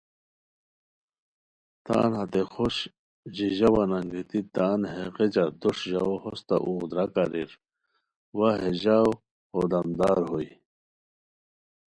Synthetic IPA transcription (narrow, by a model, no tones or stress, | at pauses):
t̪a̰ːnhat̪exoɕ | ʑiʑɐwanaŋɡit̪it̪aːnɦeqed͡ʑad̪uʂʑawhost̪a̰ʔuɣd̪ɾakaɾḭɾ | waɦeʑaw | hod̪ɐmd̪aːɾɦoi